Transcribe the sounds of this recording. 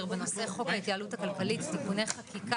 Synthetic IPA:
ʁbeno̞se̞χo̞khajitaaluthakalkalittikune̞jχakik

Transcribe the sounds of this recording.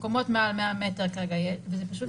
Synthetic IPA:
komo̞t̪mealmeameteʁkaʁeɡajevezepaʃut

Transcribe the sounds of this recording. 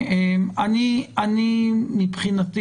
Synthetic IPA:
emanianimipχinat̪i

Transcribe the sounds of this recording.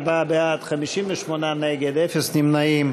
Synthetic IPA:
babeat̪χamiʃimveʃmonaneɡed̪efesnimnaim

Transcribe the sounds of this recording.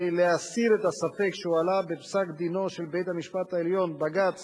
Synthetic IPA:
leasiɾet̪asafe̞kʃeualabepsakd̪ino̞ʃe̞lbe̞jt̪amiʃpat̪aeljo̞nbaɡat͡s

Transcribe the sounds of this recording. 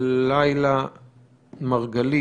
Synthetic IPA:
lajla | maʁɡali

